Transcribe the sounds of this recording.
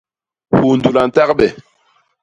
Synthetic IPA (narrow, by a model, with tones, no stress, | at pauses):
hu˨ndu˨la˨n̩˨ta˦k̚bɛ˨